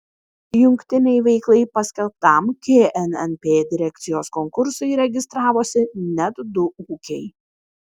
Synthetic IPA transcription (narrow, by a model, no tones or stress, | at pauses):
jʊŋʲkʲt̪ʲɪnʲɛɪʋʲɛɪklˠɐɪpɐsʲkʲɛlˠp̚t̪ɐˑmkʲeːʔɛnɛnpʲeːd̪ʲɪɾʲɛk̚ʲt̪sʲɪjoːskɔŋkʊɾsɐɪɾʲɛɡʲɪst̪ɾɑːʋoːsʲɪnʲɛt̪d̪ʊuːkʲɛɪ